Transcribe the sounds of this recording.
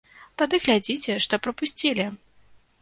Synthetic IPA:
t̪ad̪ɨɣlʲad͡zʲit͡sʲɛʂt̪ɔpɾɐpusʲt͡sʲilʲi

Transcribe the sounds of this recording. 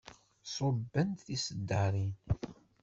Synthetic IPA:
sˤobːənt̪θisəd̪ːəɾin

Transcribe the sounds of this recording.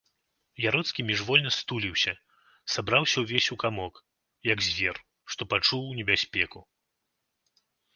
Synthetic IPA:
jaɾɔt̪skʲimʲiʐvɔlʲnɐst̪ulʲiwsʲɐ | sabɾawsʲɐwvʲesʲukamɔk | jɐɡzʲvʲɛr | ʂt̪ɔpat͡ʂuwnʲɛbʲasʲpʲɛku

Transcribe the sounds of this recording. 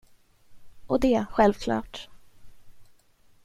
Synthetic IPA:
ʔɔd̪ɛɧɛlvkʰlɑ̰ːʈ

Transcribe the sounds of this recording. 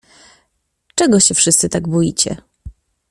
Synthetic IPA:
t͡ʂɛɡɔɕɛfʂɘst̪sɘt̪aɡbujit͡ɕɛ̰

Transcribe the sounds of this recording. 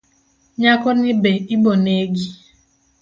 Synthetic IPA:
ɲakɔnɪbeiboneɡi

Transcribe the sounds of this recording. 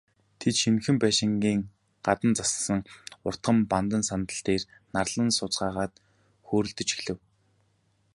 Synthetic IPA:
t̪ʰet̪ʃinxɘ̆mpæːʃɪ̆ŋɡʲiːŋ | ɢ̥at̪ə̆nt͡sassə̆ŋʊr̥t̪ɢə̆mpant̪ə̆nsant̪ə̆ɬt̪eːr | narɮə̆nsʊt͡sɢaːʁaːt̪ | xoːɾɵ̆ɮt̪ɵ̆t͡ɕi̥xɮɘ̆w

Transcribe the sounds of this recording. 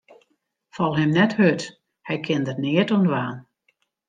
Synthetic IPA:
fɔlˠɦɛmnɛthøt | hɛjkʰɪndətnɪətundʋaːn

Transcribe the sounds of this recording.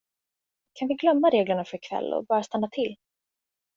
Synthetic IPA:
kʰanvɪɡlœmːaɾeːɡləɳafœɾɪkʰvɛ̰lːɔ̰bɑːɾast̪anːat̪ʰɪlː

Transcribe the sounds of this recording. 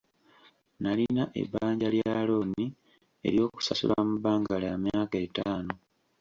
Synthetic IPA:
nalinaʔe̞̰baːɲɟaljaːlo̞ːni | e̞̰ɾjo̞ːku̥sasṵlamubaːŋɡalamjaːke̞taːno̞

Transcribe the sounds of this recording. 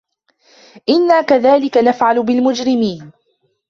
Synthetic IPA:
ʔɪnːaːkaðaːlɪkanafʕalʊbɪlmʊd͡ʒɾɪmiːn

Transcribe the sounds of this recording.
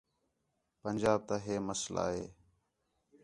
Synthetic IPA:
pənʲd͡ʒaːb̚t̪aːɦeːməsla̰ːɦeː

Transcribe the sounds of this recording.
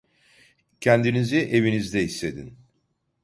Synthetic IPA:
cʰɛnd̪iniziʔe̞vinizd̪ɛɦist̪ʰe̞d̪ḭn

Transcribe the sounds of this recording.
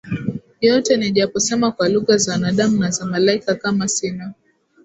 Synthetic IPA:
jɔtɛniʄapɔsɛmakwaluɣazawanaɗamunazamalaikakamasina

